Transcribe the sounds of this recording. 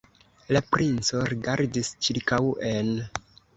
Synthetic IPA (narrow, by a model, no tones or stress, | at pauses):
lapɾʔint͡so̞ɾiɡaɾdist͡ʃiɾkawe̞n